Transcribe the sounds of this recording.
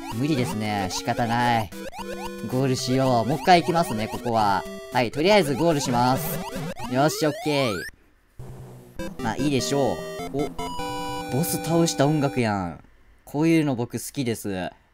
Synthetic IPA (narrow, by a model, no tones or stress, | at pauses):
mɯ̟ɾʲid̪e̞sɨne̞ɕi̥kat̪anai | ɡo̞ːɾɯ̟ɕijo̞ːmo̞kːaiːkʲimasɨne̞ko̞ko̞βahait̪o̞ɾʲijaizɨɡo̞ːɾɯ̟ɕimasɨ̥jaasokːe̞ḭ | ma̰ːʔiːd̪e̞ɕo̞ːo | d̪̥o̞ːset̪aoɕi̥t̪aõ̞ŋɡakɯ̟jã | kʰo̞ːjɯ̟ːno̞bo̞kɯ̟sɨ̥kʲid̪e̞sɨ